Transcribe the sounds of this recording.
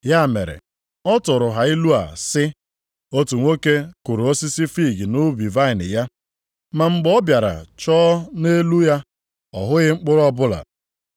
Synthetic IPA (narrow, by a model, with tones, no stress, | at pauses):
ja˦˨mḛ˨ɾḛ˨ | ɔ˦tʊ˨ɾʊ˨ɦa˨i˦lu˦a̰˨sɪ˦ | o˦tu˨ŋʷo˦ke˦kʊ˨ɾo˦si˦si˦fi˦˨ɡi˨nʊ˦bi˨va˦ɪ˨nɪ̰˨ja˦ | ma˨ŋ͡m̩˦ɡ͡bɔ˦bja˨ɾa̰˨t͡ʃɔː˦ne˦lu˦ja˦ | ɔ˨ɦʊ˦ɣɪ˦ŋ͡m̩˦k͡pʊ˦ɾɔ˦bʊ˦la̰˨